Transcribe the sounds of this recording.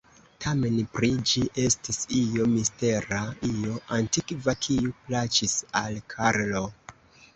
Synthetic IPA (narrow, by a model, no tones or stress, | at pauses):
tʰame̞npɾid͡ʒiʔe̞stisio̞miste̞ɾaijo̞ʔantikvakʰijuplat͡ʃisalkʰaɾlo